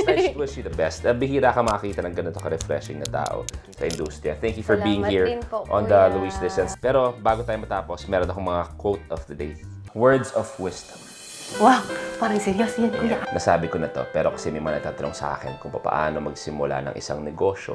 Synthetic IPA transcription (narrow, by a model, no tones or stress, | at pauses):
t̪wɪsiðɐbɛst̪ɐbɪhiːɾaːkɐmɐɐkiːt̪ɐnɐŋɡɐnnt̪okɐɾɛfɾɛʃɪŋnɐt̪a̰ːʔo̰sɐʔɪ̰̃nd̪uːst̪ɾɪjɐθɛŋkjufɔɹbiːjɪŋhiːɹʔɔ̃nd̪ɐluislɪsɛnspɛːɾobaːɡot̪aːjomɐt̪aːposmɛːɾonʔɐkoŋmɐŋakwowt̪̚ɔfd̪ɐd̪ej̪wɛɹd̪sɔvwɪst̪ɐm | wapaːɾɐŋsɛɾjosjɐnkʊjanɐsaːbɪkonɐt̪o̞̰pɛːɾokɐ̥sɛmɐjmɐŋanɐɡ̚t̪aːt̪ɐnoŋsɐ̰ʔa̰ːkɛnkʊŋpɐpɐ̰ʔa̰ːnomɐɡsɪmʊla̰nɐ̰ŋʔɪsa̰ŋnɛɡo̞ːʃo̰